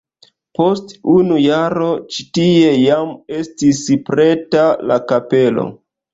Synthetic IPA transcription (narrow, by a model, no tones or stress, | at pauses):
po̞stunujaɾo̞t͡ʃitie̞jame̞stispɾe̞talakape̞lo̰